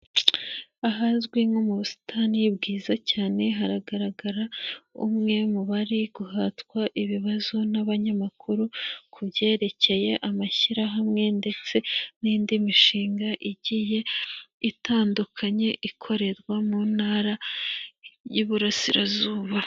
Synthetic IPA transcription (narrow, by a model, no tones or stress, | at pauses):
aɦazɡwimomuβusi̥tʰanijibɡiːzacaːne̞ɦaɾaɡaɾaɡaɾaṵmŋe̞muβaɾiɡ̥uɦatkwaʔiβiβazo̞naβaɲamakʰuɾukʰubɟe̞ːɾe̞ce̞je̞ʔamaçiɾaɦamŋe̞nde̞t͡se̞niːndimiʃiːŋɡaʔiɟije̞itaːndukʰaɲe̞ʔikʰo̞ɾe̞ɾɡwamuːnhaːɾa | juβuɾasiɾa̰zuːβa